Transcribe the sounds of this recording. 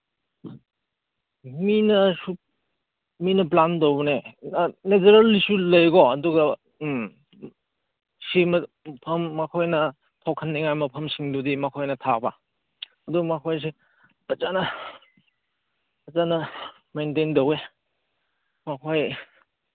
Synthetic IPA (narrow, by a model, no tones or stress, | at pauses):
minɐsu | minɐp̬landownened͡ʒɐɾɐlːisulɐjɡɔɐduɡɐ | simɐ | pʰɐmːakʰojnɐ | tʰawkʰɐnːiŋajmɐpʰɐmsiŋdudimɐkʰojnɐtʰabɐ | ɐduɡɐmakʰojs̬i | pɐt͡ʃanɐ | pɐt͡ʃanɐ | mentendɐwe | makʰoj